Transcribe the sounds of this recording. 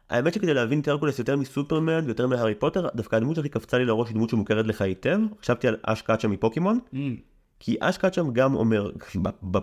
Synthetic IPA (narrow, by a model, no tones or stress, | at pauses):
ʔa̰emetʃeke̞dejleavint̪eʁkolesjotemisupeʁmenvejo̞te̞miɦaʁipote̞ʁd̪afkaːdmut̪aχikaft͡salileʁo̞ʃdmut̪ʃimuke̞ʁet̬leχajite̞vχḁʃavt̪iala̰ʃkaatʃamipo̞kemo̞n | kʰiʔa̰ʃkat̪ʃamɡamo̰me̞ʁaba